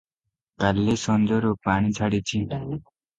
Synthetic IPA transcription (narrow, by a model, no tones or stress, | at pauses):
kalːesʌnd͡zʌɾopaɽ̃it͡sʰaɽit͡sʰi